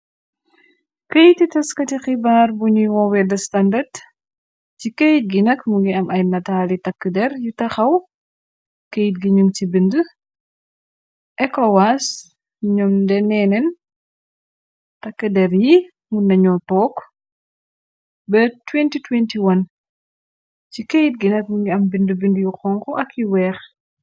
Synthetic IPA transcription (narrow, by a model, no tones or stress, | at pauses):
kejtitɐskɐtixibaːrbuɲuwɔwɛdɐstɐndɐd | cikejt̚ɡinɐkmuɡiɐmʔɐjnɐtaːlitɐkːədɛɾjutɐxɐw | kejt̚ɡiɲumt͡ʃibində | ʔɛkɔwas | ɲɔmdɛnɛnɛn | tɐkːədɛɾji | munːɐɲɔtɔːk | bɛtwɛntitwɛntiwɐn | cikejt̚ɡinɐk̚muŋɡiɐmbindəbindjuxɔːŋkɔʔɐkːiwɛːx